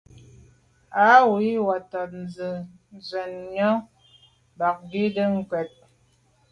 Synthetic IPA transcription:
a˨˦wi˦wa˨tɔ˨t̚n̩˨zɨ˨ | n˨zwɛ˨nɲɔ˦ | ba˨k̚ɡi˦də˦ŋ̩˦kwɛ˨t̚

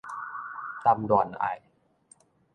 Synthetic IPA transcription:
t̪a˧mdɔ˨˩˦nʔa̰˨˩j

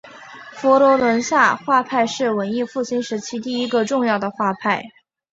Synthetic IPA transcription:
fɔ˧˥lɔ˧˥lwə˧˥nɕja˥˧xwa˥˧pʰa˥˧ɪʂɻ̩˥˩wə˧˥ni˥˧fu˥˩ɕi˥nʂɻ̩˧˥t͡ɕʰi˧˥t̪i˥˩i˥ɡə˧ʈ͡ʂʊ˥˧ŋjɑ˥˩ʊd̪ə˩xwa˥˧pʰa˥˩ɪ

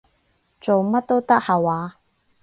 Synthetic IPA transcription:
t͡so˨wmɐ˥t̚t̪ːo˥wt̪ɐ˥k̚haː˨waː˨˦

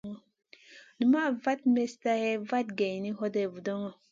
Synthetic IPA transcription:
ŋɔ˨ | ni˨ma˦va˦tme˦sta˦hɛ˦va˦t̚ɡe˨jni˦ɦɔ˦de˨vu˨dɔ˦ŋɔ˨

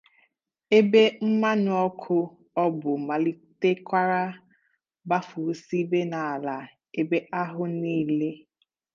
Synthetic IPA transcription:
e˦be˦m̩˦ma˦nʊ˨˦ɔ˦kʰʊ˦ | ɔ˦bʊ˨ma˨li˦te˦kʷa˦ɾa˦ | ba˦fu˨˦si˦be˦na˨a˨la˨ | e˦be˦ʔa˦ɦʊ˦niː˦˨le˦

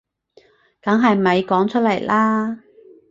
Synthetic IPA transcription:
kɐ˨˥ŋɦɐ˨jmɐ˨˧jkɔː˨˥ŋt͡ʃʰɵ˥t̚lɐ˨˩jlaː˥

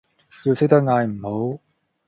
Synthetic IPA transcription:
ji˧sɪ˥k̚t̪ɐ˥k̚ŋaː˧jm̩˨˩ho˨˥w

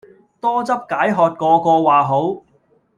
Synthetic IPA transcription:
t̪ɔː˥t͡sɐ˥p̚kaː˨˥jɦɔː˨t̚kɔː˧kɔː˧waː˨˩ɦo˨˥w

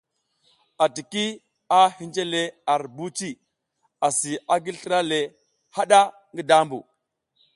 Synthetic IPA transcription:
a˨ti˨ki˦ | a˦hi˦nd͡ʒe˦le˦a˨ɾbu˦t͡ʃi˦ | a˨si˨a˦ɡi˦lɬə˦ɾa˦le˨ | ha˦ɗa˦ | ŋɡi˦da˦mbṵ˨

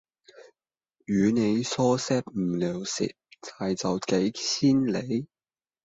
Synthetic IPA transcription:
yː˨˧ne˨˧jsɔː˥sɛː˥p̚m̩˨˩lœː˨wsḭ˨t̚t͡saː˨jt͡sɐ˨wke˨˥jt͡sʰiː˥nle˨˧˥j

